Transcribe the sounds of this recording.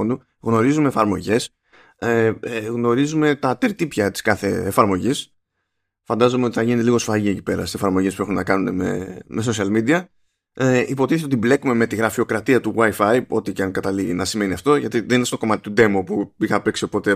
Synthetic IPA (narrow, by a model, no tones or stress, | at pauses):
nd̪u | ɣno̞ɾizume̞ːfɐɾmo̞ʝe̞s | ɣno̞ɾizume̞t̪ɐt̪eɾt̪ipçɐt̪i̥skɐθe̞ːfɐɾmo̞ʝis | fɐnd̪ɐzomeo̞t̪iθɐʝinet̪eliɣo̞sfɐʝie̞ci̥pe̞ɾɐ̰st̪se̞fɐɾmo̞ʝespue̞xunenɐkɐnune̞̰me̞̰mʔe̞s̬o̞siɐlmid̪iɐ | ipo̞t̪iθeeo̞t̪ible̞kume̞me̞t̪iɣɾɐfio̞kɾɐt̪iɐt̪uɣwɐjfɐjo̞t̪icɐŋkɐt̪ɐliʝinɐsime̞niɐft̪o̞ʝɐt̪iðeninest̪o̞ko̞mɐt̪i̥t̪ud̪e̞mopuixɐpeksipo̞t̪e